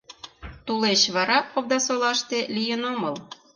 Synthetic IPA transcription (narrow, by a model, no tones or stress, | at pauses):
t̪uleɕβɑɾɑpoβd̪ɑsolɑʃt̪elijənoməl